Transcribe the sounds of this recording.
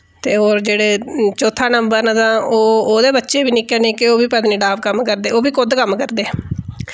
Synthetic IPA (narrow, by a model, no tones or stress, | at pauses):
t̪eːoːɾd͡ʒeːɽeːt͡ʃoːt̪ʰaːnəmbəɾnad̪ãːoːoːd̪eːbətːʃeːʋiːnɪːkɛːnẽːkɪoːʋiːpəd̪nĩːɖaːpkəmkəɾd̪eːoːʋiːkʊd̪kəmːkəɾd̪eː